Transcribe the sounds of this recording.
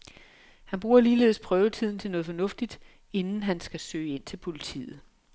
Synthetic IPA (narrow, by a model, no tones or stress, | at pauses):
hænb̥ʁuːɐliːle̝ːð̩ˠspʰʁœːʊət͡sʰið̰ˠn̩t͡sʰe̝lnɔ̽ːð̞̩ˠfɒnɔ̽fd̥id̥ | e̝nn̩ɦænsɡ̥æsø̰ːe̝n̰t͡sʰe̝lpʰo̝lit͡sʰḭːð̩ˠ